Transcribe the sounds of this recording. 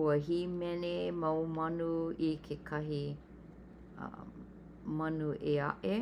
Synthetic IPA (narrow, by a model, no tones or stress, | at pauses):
uɐɦimɛnemɐwmɐnuikʰekʰɐɦi | mɐnuʔeɐ̰ʔe